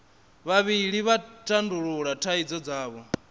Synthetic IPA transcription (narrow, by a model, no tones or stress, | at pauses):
βaβiɺiβatʼanduɺuɺatʰaid͡zɔd͡zaːβɔ